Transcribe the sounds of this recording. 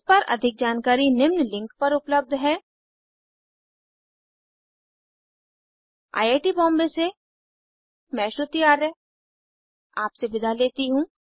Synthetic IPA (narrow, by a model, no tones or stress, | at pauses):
pɐɾʔɐ̰d̪ʱɪk̚d͡ʒaːnkaːɾinɪmnlɪ̃ŋkpɐɾʊpləb̚d̪ʱɦɛː | a̰ːjaːʈibɔ̃ːmbese | mɛ̃ːʃʊt̪iaːɾɛ | aːpsebɪd̪ʱaleːt̪iɦũː